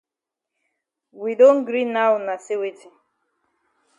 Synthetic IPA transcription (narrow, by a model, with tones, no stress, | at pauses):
wi˨do˦n̩˦ɡɾi˦na˦wna˨se˦we˨tʰi˨